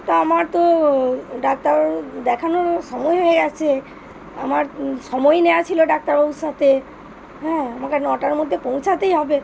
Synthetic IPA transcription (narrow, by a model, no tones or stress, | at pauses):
t̪oamaɾt̪o | ɖak̚t̪aɾd̪ɛkʰanoɾʃɔmɔeɦoeɡɛt͡ɕʰe | a̰maɾʃɔmɔeneat͡ɕʰiloɖak̚t̪aɾousat̪e | ɦɛamakenɔʈaɾmod̪ʱːepõw̃t͡ɕʰat̪ejɦɔbe